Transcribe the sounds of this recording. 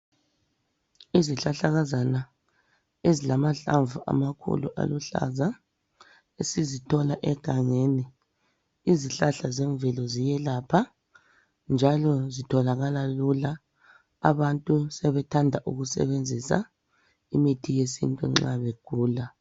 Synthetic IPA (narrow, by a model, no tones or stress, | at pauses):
iziɬaɬaɣazana | ezilamaɬa̰ɱvuʔa̰makʰṵlṵʔa̰luɬa̰za | esizitʰɔlaʔɛɡ̥ʱaŋeni | iziɬaɬazɛɱvɛlɔzijɛlaːpʰa | nd͡ʒʱalɔzitʰɔlaɣalalulaː | βantʼusɛβɛtʰandʱaʔuɣusɛ̰βend͡zʱisa̰ | imitʰijesḭntʼṵŋ͡ǁaβeɡ̥ʱuːla